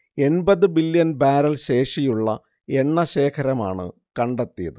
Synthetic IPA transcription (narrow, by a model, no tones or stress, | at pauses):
e̞nbɐðɨbiljɐnbaːɾɐlɕe̞ːʂijuɭːɐ̰ | eɳːɐɕe̞ːkʰɐɾɐma̰ːɳɨ̰ | kɐɳɖɐt̪ːijɐðɨ